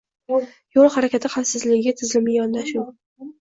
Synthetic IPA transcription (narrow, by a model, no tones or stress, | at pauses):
jolˠhaɾakʲʰat̪ʰɪχasɪzlɪɡʲɪɡʲat̪ʰɪzlɪmɪjɒnd̪aʃɪŋ